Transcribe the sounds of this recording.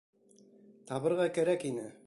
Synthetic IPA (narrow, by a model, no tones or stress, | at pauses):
t̪ɑβɤ̆ɾʁɑkæɾækinɘ